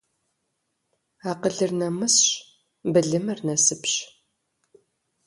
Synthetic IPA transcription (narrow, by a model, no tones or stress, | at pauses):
aːqəɮɨrnɐmɨsɕ | bɨɮɨmɨrnɐsɨpɕ